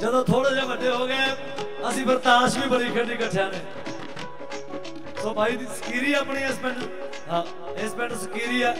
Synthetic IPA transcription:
d͡ʒəd̪õːt̪ʰoːɽeːd͡ʒeːʋəɖeːɦoːɡaː | əsĩːbəɾt̪aːʃbiːbəɽiːkʰəɖiːkəʈʰːjãːneː | soːbaːiːd̪iːsə̥kiːɾiːpɳiːeːsmɛ̃ɖ | ɦãː | eːsmɛ̃ːɳɖsəkiːɾiːɛː

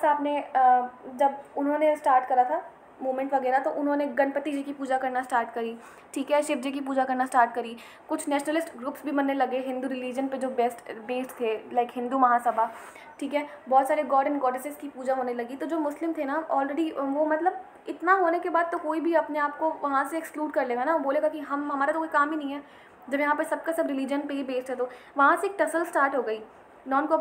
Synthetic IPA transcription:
saːpne | d͡ʒɐbʊnɦõːnesʈaːɾʈkɐɾat̪ʰa | moːmɛ̃ɳʈʋɐɡɛːɾat̪oʔʊnɦõːneɡɐnpət̪id͡ʒikipuːd͡ʒakɐɾnasʈaːɾʈkɐɾiː | ʈʰiːkɦɛːʃɪp̚d͡ʒik̬ipuːd͡ʒakɐɾnasʈaːɾʈkɐɾiː | kʊt͡ʃʰnɛːʃnəlɪsʈɡɾuːpsbʱimɐnːelɐɡeɦɪ̃nd̪uɾɪliːd͡ʒənped͡ʒoːbɛsʈbeːsʈt̪ʰːelaɪkɦɪ̃nd̪umɐɦaːsɐbʱa | ʈʰiːkɦɛː | bɔːt̪saːɾeɡɔːɾɖə̃nɡɔːɖɪseskipuːd͡ʒaɦoːnelɐɡit̪od͡ʒoːmʊslɪmt̪ʰenaɔːlɾeːɖiʋomɐt̪ləb̚ | ɪt̪naɦoːnekebaːd̪̚t̪okoːibʱiɐpneaːp̚koʋɐɦãseɛkskluːɖkɐɾleːɡanaboːleːɡakiɦɐmɦɐmaːɾat̪okoːikaːmɦinɐɦĩɦɛː | d͡ʒɐbjɐɦãːpɐɾsɐb̚kesɐbɾɪliːd͡ʒənpeɦibeːsʈ̪ʰɦɛt̪o | ʋɐɦãseːk̚ʈɐsəlsʈaːɾʈɦoːɡɐiː | nɔːnko

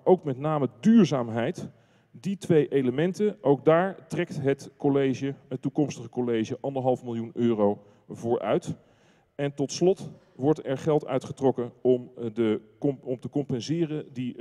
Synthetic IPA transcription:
ʔowkmɛtnaːmədyːɹzaːmɦɛjt | ditʋejʔejləmɛntənʔowɡ̚daːɹtrɛktɦətkolejʒəɦətːukɔmstəχəkolejʒəʔɑndəɹɦɑlˠfmɪlˠjunøːrow | vʊːɹʔœ̰ɥt | ɛntɔtslɔt | ʋɔɹtɛɹχɛlˠtœ̰ɥtχətrɔkənɔmdə | ɔmtəkɔmpɛnzɪːrəndi

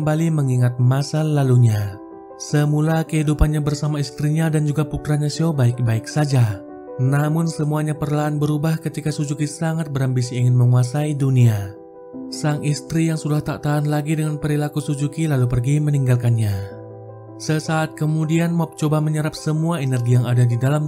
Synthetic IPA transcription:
kəmbaliməŋiŋat̪̚masanlaluɲa | səmulakəɦidupanɲabərsamaist̪ɾiɲadand͡ʒuɡapukɾaɲasiobaɪk̚baɪk̚sad͡ʒa | namʊnsəmuaɲapərlaːnbəɾubahkət̪ikasud͡ʒukisaŋat̪̚bəɾambis̬iiŋɪnməŋuasaidunia | saŋist̪ɾijaŋsudaht̪aʔt̪aanlaɡidəŋanpəɾilakusud͡ʒukilalup̬ərɡiməniŋɡalkanɲa | səsaːt̪̚kəmudianmɔp̚t͡ʃobaməɲəɾap̚səmuaenərɡijaŋadadidalam

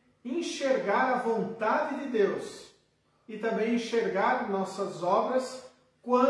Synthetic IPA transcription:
ẽʃeɾɡaɾɐvõnt̪ad͡ʒ̪ɪd̪ɪd̪ews | ɪt̪ɐ̃mbẽj̃ẽʃeɾɡaɾnɔsɐzɔbɾɐs | kwɐ̃

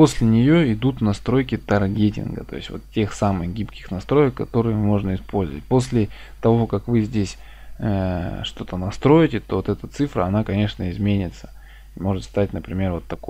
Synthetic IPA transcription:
po̞sʲlʲɪnʲɪjoɪd̪ut̪nɐst̪ɾo̞jkʲɪt̪ɐrɡʲetʲɪ̰nɡə̰t̪o̞̰ɪ̰sʲtʲvo̞̰t̪tʲːe̞xsamɨxɡʲipkʲɪ̥xnɐst̪ɾo̞jəkːɐt̪o̞ɾɨjəmo̞ʐnəɪspo̞lʲzəvət̚ʲpo̞s̬ʲlʲɪ | t̪ɐvo̞kɐkvɨzʲdʲesʲ | əʂt̪o̞t̪ənɐst̪ɾo̞jɪtʲɪt̪o̞vo̞t̪ɛt̪ət̪sɨfɾə̰ɐnakɐnʲe̞ʂnəɪzmʲenʲɪt̪sə̥ | imo̞ʐɨt̪st̪atʲnəpɾʲɪmʲe̞rvo̞t̪ːɐko

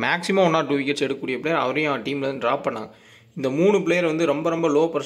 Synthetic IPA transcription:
maːksɪmaːɔnːaːʈuːʋɪkːɛʈsɛɽɯkːuːɽɪjɐpɭejɐɾɐ̰ʋɐɾɐjãːʈiːmlɐaɖɾaːppɐɳːã̰ːŋɡɐ | ɪnd̪ɐmuːɳɯpɪɭeːjɐɾʋɐnd̪ɯɾɔmbɐɾɔmbɐloːpɐɾ

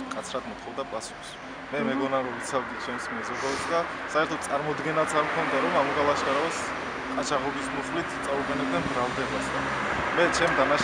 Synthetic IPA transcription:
kʼat̪sʰɾad̪mɔt̪ʰχɔvd̪apʼasu̥χs | mɛmɛɡɔnaɾɔvit̪sʰavd̪it͡ʃʰɛmsmɛzɔd̪asd̪asaɛɾt̪ʰɔt̪sʼaɾmɔd̪ɡɛnat̪sʰaɾmkʰɔnd̪aɾɔmamuɡalˠaʃaɾaɔs | kʼat͡ʃʰaʁɔbismuχlit̪ʰt̪sʼaubɛnɛb̚d̪ɛnbɾalˠd̪ɛbasd̪a | mɛt͡ʃʰɛmd̪anaʃ

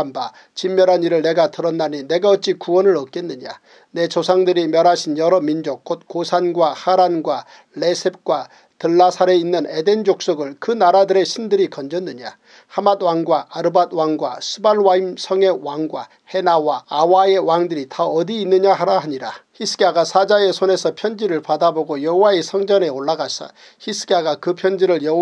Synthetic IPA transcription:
amba | t͡ɕimːjʌɾɦaniɾɯɭne̞ɡatɯɾʌnːanine̞ɡaʌt͡ɕ͈ikuwʌnɯɭʌk͈̚e̞nːɯɲa̰ | ne̞t͡ɕosʰaŋdɯɾimjʌɾaɕʰinjʌɾʌmind͡ʑok̚k͈ot̚kosʰanɡwahaɾanɡwa | ɭe̞sʰep̚k͈wa | tɯɭːasʰaɾe̞inːɯne̞de̞nd͡ʑok̚s͈oɡɯɭkɯnaɾadɯɾe̞ɕʰindɯɾikʌnd͡ʑʌnːɯɲa | hamad̚waŋɡwaʔaɾɯbad̚waŋɡwa̰sʰɯbaɭwaimsʰʌŋe̞waŋɡwa | he̞nawaːwae̞waŋdɯɾitʌʌdiːnːɯɲahaɾaɦaɲiɾaçisʰɯ̥ɡiaɡasʰad͡ʑae̞sʰone̞sʰʌpʰjʌnd͡ʑiɾɯɭpadaboɡojʌɦowaesʰʌŋd͡ʑʌne̞oɭːaɡasʰʌ̰ | çisʰɯ̥ɡeaɡakɯpʰjʌnd͡ʑiɾɯɭjʌ

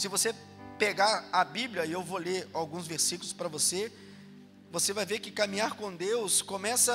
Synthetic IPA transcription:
sɪvose | peɡaɾɐbibljɐiewvoleɾawɡũzveɾsikʊlʊspɾɐvose | vosevajvekɪkamĩɲaɾkõd̪ewskõmɛsɐ

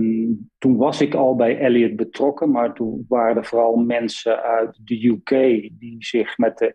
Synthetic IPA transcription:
tunʋɑsɪkɔlˠbɛjʔɛliət̚bətrɔkənmaɹtunʋaːrədəvoːrɑlˠmɛnsəœɥt̚dəjukʰeːdizɪxmɛt̚ə

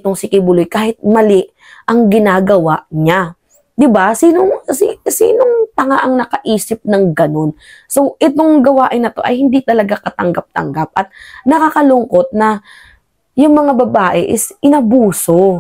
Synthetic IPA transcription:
t̪oŋsɪkɪbʊlʊjkaːhɪt̪̚mɐlɪʔ | ʔɐŋɡɪnaːɡɐwaʔɲa | d̪ɪbasiːnoŋsisḭːnoŋt̪ɐŋaʔɐŋnɐkɐʔiːsɪp̚nɐŋɡɐno̞nsoʔɛt̪o̞ŋɡɐwaːʔɪnːɐt̪o̞ʔɐ̰jhɪnd̪it̪ɐlɐɡakɐt̪ɐŋɡap̚t̪ɐ̰ŋɡap̚ʔɐt̪̚nɐkakɐlʊŋko̞t̪̚nɐ | jʊŋmɐŋabɐbaːʔɛʔɪsʔɪnɐbuːso̞

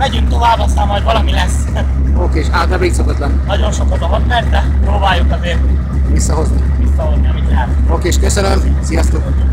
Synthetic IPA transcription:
mɛɟyŋkt̪o̞vaːbɒsaːmɒoɟvɒlɒmilɛsː | oːkeːʃaːt̪abeːksokot̪lɛnːnɒɟo̞nʃokɒd̪oɦot̪mɛɾd̪ɛpɾoːbaːjːokɒzeːrt̪ | visːɒɦozniʋisːɒɦo̞zniɒmit̪lɛɦɛt̪oːkeːʃkøsɛlɛlsijɒst̪uk

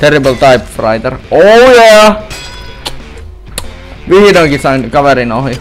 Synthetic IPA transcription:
t̪eribəlt̪ɑipfrɑit̪erojæ | ʋihidoiŋkisɑinkɑʋeɾinohji

